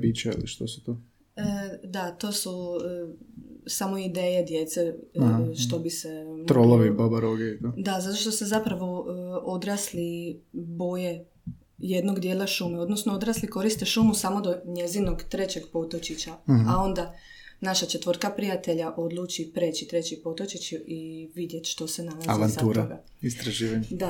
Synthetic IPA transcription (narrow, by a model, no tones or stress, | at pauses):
biːt͡ʃaḭlḭʃt̪osu̥t̪o | əd̪at̪o̞ːsu | samo̞id̪eːjed̪jet̪seʃt̪o̞biset̪ɾolˠoʋeibabaɾoɡeit̪od̪azat̪o̞ʃt̪o̞se̞zapɾaʋo̞od̪ɾaːslibo̞je | je̞d̪no̞ɡd̪je̞ːlaʃuːmeo̞d̪no̞snood̪ɾaːsliko̞ɾist̪e̞ʃuːmusamo̞d̪o̞ɲe̞zino̞ɡt̪ɾe̞t͡ɕeɡpot̪o̞t͡ɕit͡ɕaao̞nd̪a | naʃat͡ʃe̞t̪ʋoɾt̪kapɾijat̪eʎaʔo̞d̪lˠuːt͡ʃipɾe̞ːt͡ɕit̪ɾe̞t͡ɕipo̞t̪o̞t͡ʃit͡ɕiiʋid̪je̞t̪ʃt̪o̞senalazazianauːɾaɡa̰ | ist̪ɾaʒiːʋaɲd̪a